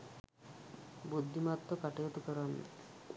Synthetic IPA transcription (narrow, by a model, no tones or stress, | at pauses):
bud̪ʱːimat̪ːokaʈijot̪ukəɾanːḛ